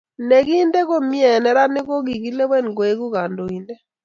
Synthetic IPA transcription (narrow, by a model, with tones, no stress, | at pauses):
ne˨ɡi˦nde˦ko˦mjɛ˨nɛ˨ɾa˦nɪ˦ɡɔ˦ɡi˨ɡi˦le˦wɛ˦nɡo˨e˦ɡu˦ɡa˨ndo˨i˨ndɛ˦